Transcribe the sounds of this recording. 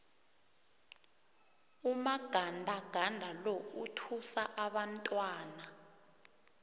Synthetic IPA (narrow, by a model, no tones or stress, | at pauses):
umaɡ̥ʱandʱaɡ̥ʱandʱalɔutʰusaʔaɓantʼwaːna